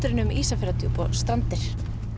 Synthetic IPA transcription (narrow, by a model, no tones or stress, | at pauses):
t̪ʏɾɪnʏmiːsafɛɾat̪ʰjupɔst̪ɾant̪ɪɾ̥